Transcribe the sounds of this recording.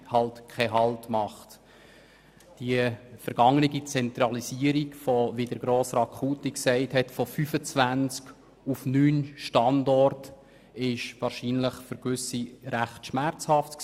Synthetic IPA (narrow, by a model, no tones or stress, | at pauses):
hɑltkʰɛɦɑltmɑχt | d̥iəfəɾɡ̥ɑŋəniɡit͡sɛnt̪ɾɑlisiəɾikfɔvidəɾɡ̥ɾoːsrɑkʰuːtiksɛɪthɛtfɔfyfət͡svænt͡sk | ufnyːnʃtɑndɔrt | ɪʃʋɑːɾʃinləχfəɾɡʋʏsiɾæχtʃmæɾt͡shɑftk